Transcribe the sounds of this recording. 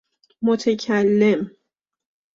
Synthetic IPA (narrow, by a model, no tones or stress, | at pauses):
mot̪ʰecʰælːem